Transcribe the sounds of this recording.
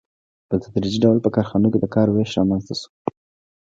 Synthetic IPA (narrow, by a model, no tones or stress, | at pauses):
pət̪ad̪ɾid͡ʒiɖawlpəkɑɾxɑnoked̪əkɑɾweʃɾɑmanzt̪asu̥